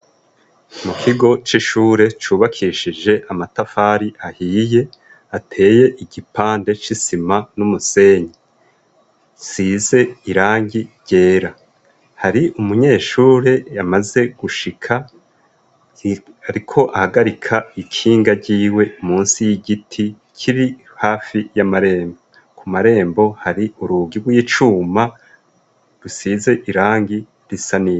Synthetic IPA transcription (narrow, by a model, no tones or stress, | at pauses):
mukʰiɡo̞t͡ʃiʃuːɾe̞t͡ʃuːβakʰiʃid͡ʒe̞ʔamatafaːɾiʔahiːje̞ | atʰe̞ːje̞ʔiɟipaːnde̞t͡ʃisimanumuse̞ːɲi | size̞iɾaːɲɡiɾɟ̥e̞ːɾa | haɾiʔumuɲe̞ːʃuːɾe̞jamaze̞ɡ̥uʃikʰa | aɾikʰo̞ʔahaɡaɾikʰaikʰiːŋɡaɾɟiːwe̞umuːnsijiɡitʰi | kʰiɾi | haːfijamaɾe̞ːmbo | kʰumaɾe̞ːmbo̞haɾiuɾuːɡibɡwit͡ʃuːma | ɾusize̞ʔiɾaːŋɡi | ɾisanie